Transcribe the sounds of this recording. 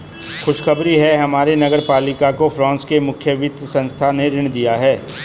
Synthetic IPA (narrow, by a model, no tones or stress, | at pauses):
xʊʃxɐbɾiɦɛɦɐmaːɾenɐɡəɾpaːlɪkakofɾãːnskemʊkʰjəʋɪt̪sɐ̃nst̪ʰaneɾɪɽ̃d̪ijaɦɛː